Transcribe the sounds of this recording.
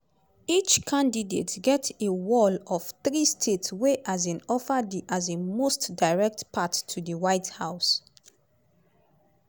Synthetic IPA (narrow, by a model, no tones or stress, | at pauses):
it͡ʃkʰãndidetɡɛtewɔlɔfθɹistʰetsweʔazĩnɔfədiʔazemostdaɪɹɛk̚tpʰatʰːuðəwaɪthaʊs